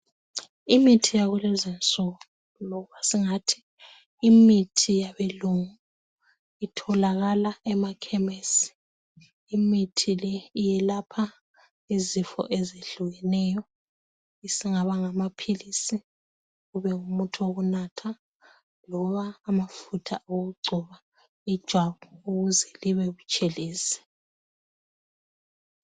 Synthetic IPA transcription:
imitʰijaɣulɛzɛnt͡sʼɔɣ | lɔɣuβasiŋatʰi̥ː | mitʰijaβeluŋu | itʰɔlaɣalaɛmakʰɛmɛsi̥ | imitʰilɛijɛlapʰa | izifɔ̰ʔezeɮuɣɛnɛjɔ | isiŋaβaŋamapʰilisi | ɣuβɛŋumutʰoɣunatʰa | lɔβaːmafutʰaʔoɣuɡ͡ǀʱɔβa | id̥ʒ̥ʱwaβɔuɣuzɛliβɛɣut͡ʃʼeliːsɛ̥

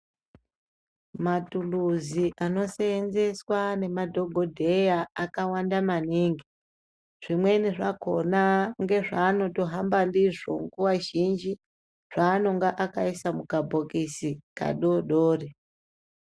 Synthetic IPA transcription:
matuluziʔano̞seːnze̞swane̞madʱo̞ɡʱo̞dʱe̞jaakawandamaniːŋɡi | ʐ̥imwe̞niʐako̞naŋɡe̞ʐaːno̞to̞ɦambandiʐo̞̰ŋɡuwaʒind͡ʒi | ʐ̥aːno̞ŋɡaʔakaisamukabʱokisika̰ɗoɗoːri

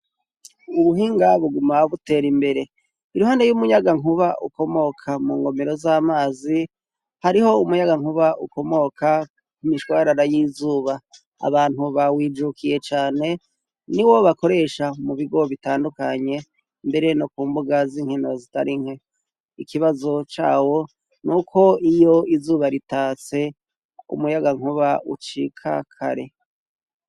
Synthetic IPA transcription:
uβuɦiːŋɡaβuɡumaβute̞ːɾimbe̞ɾe̞ | iɾuɦanejumuɲaɡaŋuβaʔṵko̞mo̞kʰamuːŋɡo̞meɾo̞zaːmaːzi | haɾiho̞umuɲaɡaŋuβaʔṵko̞mo̞kʰa | kumiʃwaːɾaɾajizuːβa | a̰βaːn̥uβawiːd͡ʒukʰije̞t͡ʃaːne̞ | niwo̞βako̞ɾe̞ːʃamuβiɡo̞βitaːndukaɲe̞ | mbe̞ɾe̞no̞kuːmbuɡaziːŋhino̞zita̰ɾiŋ̥he | ikʰiβazo̞t͡ʃa̰ːwo̞ | nukʰo̞ijo̞izuːβaɾitaːt͡se̞ | ṵmujaɡaŋ̥uβaʔṵt͡ʃikʰa̰kʰa̰ɾe̞

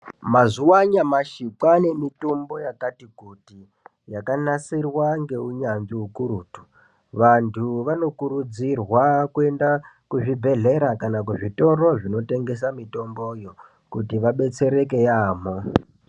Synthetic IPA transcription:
mazuwaɲamaʃikane̞mitombo̞jakatikuti | jakanasirwaŋɡe̞uɲand͡ʒiukuɾuːtu̥ | ʋantʰuʋano̞kuɾud͡zirwakue̞nda | kuʐibʱe̞ɮe̞ɾakanak̬uʐito̞ro̞ʐino̞te̞ŋɡe̞s̬amito̞mbojo̞ | kutiʋaɓe̞t͡se̞ɾe̞ke̞jaːmo

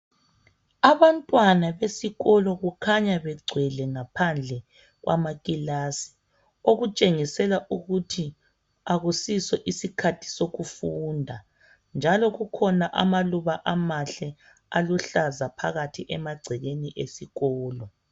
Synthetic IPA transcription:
aβantʼwanaβesiɣɔlɔɣukʰaɲaβɛɡ͡ǀʱwɛlɛŋapʰand͡ɮʱɛ | ɣwʔa̰maɣʼilasi̥ | oɣut͡ʃʼeŋisɛlaʔuɣutʰi | aɣusisɛʔisikʰatʰi̥soɣufundʱa | nd͡ʒʱalɔɣukʰɔnaʔa̰maluβaʔamaɬɛ | aluɬazapʰaɣatʰiʔɛmaɡ͡ǀʱɛɣeniʔesiɣɔːlɔ

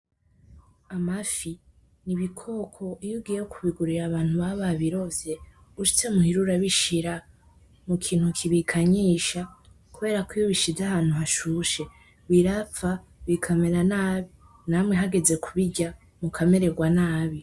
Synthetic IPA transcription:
amafi | niβikʰo̞kʰo̞ijuɡijejokʰuβiɡuɾiɾaβaːnhuβaβaβiɾo̞ze̞ | uʃi̥t͡semuhiɾuɾaβiʃiɾa | mukʰiːn̥hukʰiβikʰaɲiːʃa | kuβe̞ːɾakijoβiʃizahaːn̥huɦaʃuːʃe̞ | βiɾap͡ffaβikʰameɾanaːβi | naːmŋe̞ɦaɡe̞ze̞kʰuβiɟa | mukʰame̞ɾe̞ɡwanaːβi

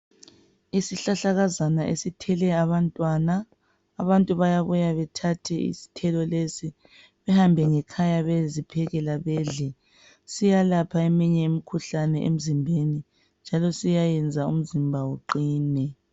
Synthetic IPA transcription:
isiɬaɬaɣazanaʔḛsitʰɛlɛaβantʼwanaː | βantʼuβajaβujaβɛtʰatʰɛḭsi̥tʰɛlɔlesi | βɛhambʱɛŋɛkʰajaβezipʰɛɣɛlaβɛːɮɛ | sijalapʰaemiɲɛemikʰuɬanɛʔḛm̩zimbʱeni | nd͡ʒʱalɔsijajɛnd͡zʱaṵm̩zimbʱawuǃiːnɛ

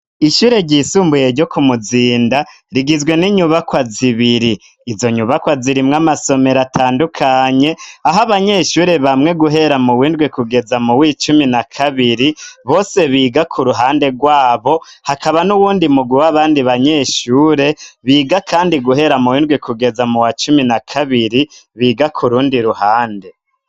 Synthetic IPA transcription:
iʃuːɾe̞ɾɟiːsuːmbuje̞ɾɟo̞kumuziːnda | ɾiɡizɡwe̞niɲuβakwaziβiɾiː | zo̞ɲuβakwaziɾimŋamaso̞me̞ɾatʰaːndukʰaɲe̞aɦaβaɲe̞ːʃuːɾe̞βamŋe̞ɡuɦe̞ɾamuwiːndɡwikuɡe̞zamuwiːt͡ʃuminakʰaβiɾiβoːse̞βiːɡakʰuɾuɦaːnde̞ɡwaːβo̞hakaβanuwuːndimuɡwiwaβaːndiβaɲe̞ʃuːɾe̞βiːɡakʰaːndiɡuɦe̞ɾamuwiːndɡwikuɡe̞zamuwat͡ʃuminakʰaβiɾiβiːɡakʰuɾuːndiɾuhaːnde̞

